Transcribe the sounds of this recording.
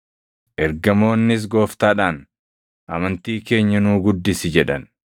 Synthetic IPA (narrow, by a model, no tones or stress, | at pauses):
ʔɛɾɡɐmo̞ːnːɪs̬ɡo̞ːft̪aːᶑaːn | ʔɐmɐnt̪iːke̞ːɲːɐnuːɡʊd̪ːɪsɪd͡ʒɛᶑɐn